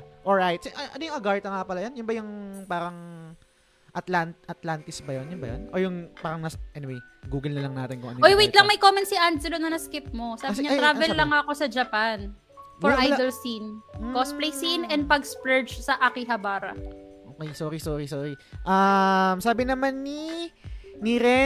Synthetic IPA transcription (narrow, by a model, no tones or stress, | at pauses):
ʔoɹajt̪̚sɛʔɐʔɐnojʊŋɐɡaɹt̪ɐŋapɐlɐjonjʊnbɐjʊŋpaːɾɐŋ | ʔɐt̪lant̪ʔɐt̪lant̪ɪsbɐjonjʊnbɐ̰jo̰nʔo̞ːjʊŋpaːɾɐŋnasʔɛnɪwej | ɡuːɡɐlnɐlɐŋnaːt̪ɪnkʊŋɐ̰noojwejt̪lɐŋmɐjkomɛnt̪siʔansɛlonɐnɐskɪp̚mo̞saːkɐɪsɲɐɾaːvɛlːɐŋːɐɐko̞sɐd͡ʒɐpan | ɔɹʔaj̪olsinkosplejsinɛnd̪̚pɐɡspɹɛd͡ʒsɐʔakɪɦɐbaːɾɐ̰ʔoːkɛjsoːɾisoːɾisoːɾiʔɐmsaːbɪnɐmanːi | niɾɛ